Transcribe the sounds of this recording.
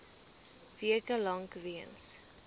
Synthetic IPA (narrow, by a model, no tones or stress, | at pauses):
viəkəlɐŋkviəns